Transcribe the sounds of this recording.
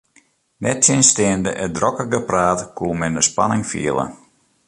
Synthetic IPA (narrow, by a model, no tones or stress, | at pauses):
nɛtsɪnstɪəndəʔədrɔkəɡəpraːtkʰuəmɛndəspanɪŋfḭəlˠə̰